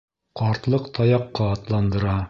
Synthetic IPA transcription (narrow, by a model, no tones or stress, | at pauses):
qɑɾt̪lˠɤqt̪ʰɑjɑqːɑːt̪lˠɑnd̪ɤ̆ɾɑ